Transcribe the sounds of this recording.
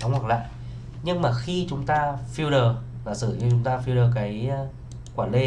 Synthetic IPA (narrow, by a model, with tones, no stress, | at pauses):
ə˨˧˦wŋwa˨˩k̚la̰ː˧˨j | ɲɨ˧ŋmaː˨˩xi˧t͡ɕʊ˨˦ŋ͡mt̪aː˧fi˧wɗəː˨˩ | laː˨˩sɨ˧˩ɲɨ˧˩t͡ɕʊ˨˦ŋ͡mt̪aː˧fi˧wɾəː˨˩kaː˨˦j | kwaː˧˩nle˧˩